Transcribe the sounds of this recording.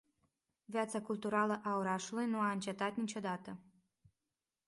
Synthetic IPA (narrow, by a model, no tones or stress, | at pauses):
vjat̪sakult̪uɾaləʔao̞ɾaʃulujnuaɨnt͡ʃe̞t̪at̪nit͡ʃo̞d̪at̪ə